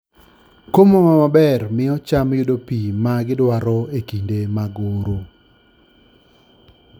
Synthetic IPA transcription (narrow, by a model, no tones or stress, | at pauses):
komomamabɛrmɪɔt͡ʃamjodopimaɡɪdwaɾɔekindemaɡoɾo